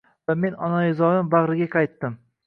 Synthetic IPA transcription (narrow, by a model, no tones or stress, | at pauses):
vame̞nɒnajɪzɒɾɪmbɑʁɾɪɡʲaqʰɑjt̪ːɪm